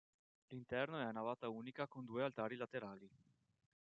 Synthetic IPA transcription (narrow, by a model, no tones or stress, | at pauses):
lint̪ɛrnoɛnavaːt̪auːnikakond̪uːealt̪aːɾilat̪eɾaːli